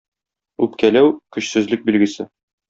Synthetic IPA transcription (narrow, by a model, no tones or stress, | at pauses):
ʉpkælæwkɵ̆ɕsɵ̆zlɘk̚bilɡɘ̆sɘ